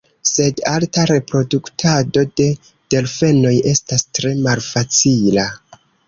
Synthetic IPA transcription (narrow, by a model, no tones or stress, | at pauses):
se̞daltaɾe̞pɾo̞duktʰado̞de̞ | d̥e̞lfe̞no̞je̞stastɾe̞malfat͡sila